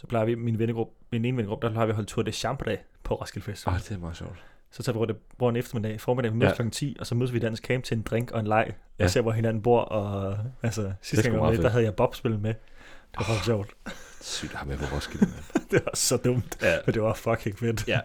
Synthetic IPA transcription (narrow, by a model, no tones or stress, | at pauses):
sɒ̥pʰlɑ̈ɪɐʋiminʋenə̥ʁub̥̚ | mineːnʋenə̥ɡʁub̥̚d̥æɐflɑɐʋiɦɒ̽l̰d̥̚t͡sʰuɐ̥eɕɑ̈mb̥əd̥ɛ̰ɪpʰɒ̽ʁɒ̽sɡ̥ilfesd̥iʋɛld̥emɑðˠɕɔ̰ʊ̰d̥ | sɒt͡sʰɑ̈ʋiʁɔ̰d̥eb̥oɐ̰n̩efd̥ɐmedɛ̰fɒːmed̥ɛ̰ːimøðˠkʰlɒ̽ɡn̩t͡sʰḭːɒ̽sɒmøðˠɐʋid̥æn̩skʰɛːm̥̚t͡sʰe̝e̝nd̥ʁeŋ̰ɡ̥ɒ̽e̝nlɑ̈ɪ̰ɒse̝ɐʋɒɦe̝nænn̩b̥o̝ɐ̰ʔɒ̽ælsəsisd̥ænɡɒ̰ed̥aɦæð̞ˠjɑ̈ɪb̥ɒ̽b̥sb̥e̝l̩ˠmed̥eʋɑfɒsɕɔʊ̰d̥sy̰d̥ɑmepʰɔʁɔsɡ̥ilnd̥e̝ɑssɒ̽d̥ɔ̽m̰d̥mend̥e̝ʋɑ̈fɒ̽kʰeŋfed̥